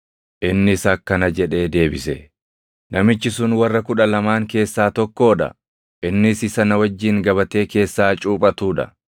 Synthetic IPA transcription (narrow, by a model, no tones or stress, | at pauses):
ʔɪnːɪsɐkːɐnɐd͡ʒɛᶑe̞ːd̪e̞ːbɪsɛ | nɐmɪt͡ʃːɪsʊnwɐrːɐkʊᶑɐlɐmaːŋke̞ːsːaːt̪ɔkːo̞ːᶑɐ̰ | ʔɪnːɪsɪsɐnɐwɐd͡ʒːiːŋɡɐβɐt̪e̞ːke̞ːsːaːt͡ʃʼuːpʼɐt̪uːᶑɐ̰